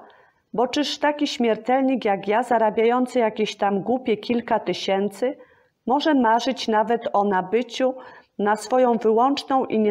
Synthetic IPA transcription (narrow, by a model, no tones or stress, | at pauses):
bɔt͡ʂɘʂt̪akʲiɕmʲjɛɾt̪ɛlɲikjakjazaɾabʲajɔnt̪sɨjakʲeɕt̪amɡwupʲjɛkʲilkat̪ɘɕɛnt̪sɘ | mɔʐɛmaʐɘt͡ɕnavɛt̪ɔnabɘt͡ɕunasfɔjɔ̃w̃vɘwɔnt͡ʂnɔ̃w̃ʔiɲɛ